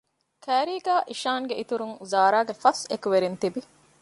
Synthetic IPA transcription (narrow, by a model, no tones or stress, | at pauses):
kʰæːɾiːɡæːʔiʃaːŋɡeʔit̪uɾuŋuzaːɾaːɡefɐsekuʋeɾint̪ibi